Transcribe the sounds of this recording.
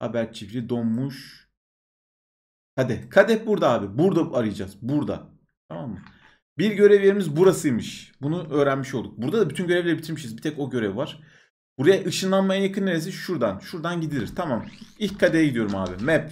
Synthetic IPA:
ha̰bæɾt͡ʃʰivɾid̪o̞nmuʃ | kʰad̪ɛkʰad̪ɛbuɾd̪aaːbibuɾd̪aaɾɯjad͡ʒa̰z̥buɾd̪a̰ | t̪ʰamamːɯ | biɾɟø̞ɾevjeɾimizbuɾasɯjmɯʃbunuʔø̞ːɾænmiʃolˠd̪uk̚buɾd̪ad̪abyt̪ʰynɟøɾevlʲeɾɛbit̪ʰiɾmiʃizbit̪ʰɛco̞ɟø̞ɾevvaɾ̥ | b̥uɾajaʔɯʃɯnlˠanmajajakʰɯnːeɾes̬iʃuɾd̪anʃuɾd̪anɟid̪ilʲiɾ̥t̪ʰamamilʲckʰːad̪eɛɟid̪ijo̞ɾuma̰ːbḭmɛp

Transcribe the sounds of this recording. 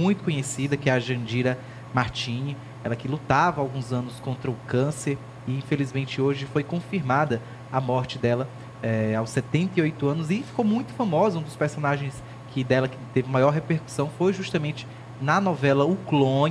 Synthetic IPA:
ũj̃t̪ʊ̥kõɲesid̪ɐkɪɛɐʒɐ̃d͡ʒiɾɐ | maɾt͡ʃĩɲɐ | ɛlɐkɪlut̪avɐawɡũzɐ̃nʊskõnt̪ɾɐʊkɐ̃seɾ | ɪĩfelizmẽnt͡ʃɪoʒɪfojkõfiɾmad̪ɐ | ɐmɔɾt͡ʃɪd̪ɛlɐ | ɛawsɛt̪ẽnt̪ɐiojt̪ʊɐ̃nʊzɪfi̥kowmũj̃t̪ʊ̥famɔzɐũd̪ʊspeɾsõnaʒẽj̃s | kʰɪd̪ɛlɐkɪt̪evɪmajɔɾɦepeɾku̥sɐ̃w̃fojʒuʃt̪ɐmẽt͡ʃɪ̥ | nɐnɔvɛlɐuklõ

